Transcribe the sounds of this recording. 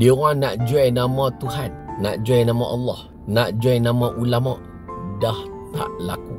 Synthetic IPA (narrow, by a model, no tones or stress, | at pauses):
diɔŋanaʔd͡ʒuajnamɔt̪uɦanːa̰ʔd͡ʒuajnamɔʔɑlːɑh | naʔd͡ʒuajnamɔʔulamɔʔ | dah | t̪a̰ʔla̰ku